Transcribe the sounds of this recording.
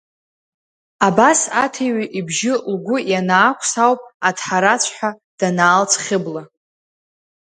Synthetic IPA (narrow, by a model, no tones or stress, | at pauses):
abasatʰeɥʷʔibʒɪlɡʷʊjanaːkʷʰsawpʼatʰħaɾat͡ɕʷʰħʷᶣa | d̥anaːlt͡sʰχʲɪbla